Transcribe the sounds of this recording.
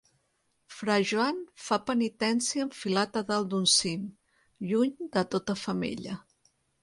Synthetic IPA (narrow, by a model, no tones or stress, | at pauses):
fɾaʒuanfapənit̪ɛnsiəɱfilat̪əðəlˠd̪unsim | ʎuɲd̪ət̪ot̪əfəmḛʎə